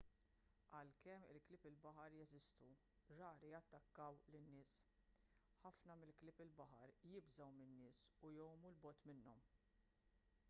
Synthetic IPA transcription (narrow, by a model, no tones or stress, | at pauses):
ʔɐlkɛmːɪ̰lklɪpɪlbɐħɐɾjɛzɪst̪u | ɾɐːɾijɐt̪ːɐkːɐwlɪnːɪːs | ħɐfnɐmɪlklɪpɪlbɐħɐɾjɪbzɐwmɪnːɪːsujɔwmulbɔːt̪mɪnːɔm